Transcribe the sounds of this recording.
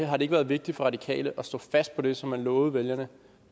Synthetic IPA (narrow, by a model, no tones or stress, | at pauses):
ɦɑ̈ɾe̝eɡ̥əʋæːɐð̞ˠʋe̝ɡ̥̚d̥id̥fɒ̽ʁɑ̈d̥ikʰɛ̰ːləʔɒ̽sd̥ɔ̰̽fæsd̥̚pʰɒ̽d̥e̝sɒ̽mːænlɔ̽ːð̩ˠʋeljɐnə